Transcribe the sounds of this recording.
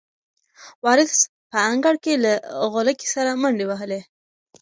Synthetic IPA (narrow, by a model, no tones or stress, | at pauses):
wɑɾɪs | pəːŋɡaɽkelaɣolaki̥saɾaməɳɖewaɦəle